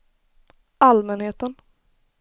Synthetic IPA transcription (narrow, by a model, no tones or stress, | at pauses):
almɛnheːt̪ən